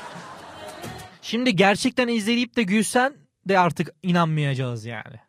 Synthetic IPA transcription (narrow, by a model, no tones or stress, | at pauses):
ʃimd̪ɪɟæɾt͡ʃʰɛc̚t̪ænizlʲe̞d̪iip̚t̪ɛɟysæn | d̪ɛaɾt̪ʰɯkinanmajad͡ʒazja̰ːnɪ̰